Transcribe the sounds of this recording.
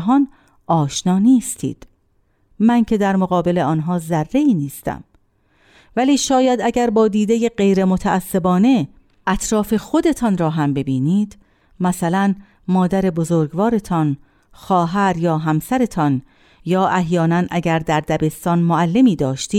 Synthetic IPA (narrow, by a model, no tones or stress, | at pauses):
ɦɒːn | ʔɒːʃnɒːniːst̪ʰḭːd̪̥ | mæncʰe̞d̪æɾmoɣɒːbe̞le̞ɒːnɦɒːzærːe̞iːniːst̪ʰæ̰m | væliːʃɒːjæd̪æɟæɾbɒːd̪iːd̪ejeɢe̞jɾemot̪ʰæʔːsːe̞bɒːne̞ | ʔæt̪ʰɾɒːfe̞xo̞d̪e̞t̪ʰɒnɾɒːɦæmbe̞biːniːd̪ | mæsælæn | mɒːd̪æɾe̞bozoːɾɡvɒːɾe̞t̪ʰɒn | xɒːɦæɾjɒːɦæmsæɾe̞t̪ʰɒn | jɒːʔæhjɒːnænʔæɟæɾd̪æɾd̪æbe̞st̪ɒːnmoælːe̞miːd̪ɒːʃt̪iː